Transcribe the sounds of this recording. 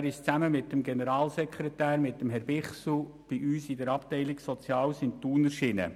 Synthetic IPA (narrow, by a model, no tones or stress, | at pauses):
æɾɪʃt͡sæməmɪtːəmɡenəɾɑːlsɛkχɾɛtæːɾmɪtːəmɦɛɾb̥ɪχsl̩ | b̥iʔyːsɪdəɾɑptɛɪlɪksɔt͡sjɑːlsɪnt̪uːnəʃɪnə̰